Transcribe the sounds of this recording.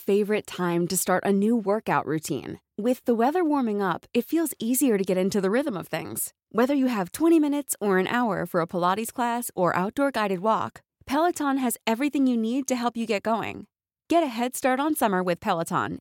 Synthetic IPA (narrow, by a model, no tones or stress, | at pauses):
feɪvə˞ɨtʰãɪ̃mtɨstɑɹɾʔɨnʉwɜ˞kaʊʔɹʉtʰḭ̃n | wɪðəwɛðə˞wɔɹmɪ̃ŋʌpɨtfilˠziziə˞ɾɨɡɛɾɪ̃ntʉðɨɹɪðə̃mʌv̥θɪ̰̃ŋz̥ | wɛðə˞jɨɨv̥tʰw̥ɛ̃ɾ̃imɪ̃nɨtsə˞ɨ̃nʔa̰ʊə̰˞fə˞əpʰəlɑɾiz̥kʰl̥æsə˞ʔa̰ʊt̚d̥ɔɹɡaɪɾɨd̚wɔ̰k | pʰɛlˠətʰɑ̃nɨzɛvɹiθɪ̃ŋjɨnid̚tɨɦɛlˠpjɨɡɛt̚ɡ̥oʊɪ̰̃ŋ | ɡ̥ɛɾɨɦɛd̥stɑɹɾn̩sʌmə˞wɨð̥pʰɛlˠətʰɑ̰̃n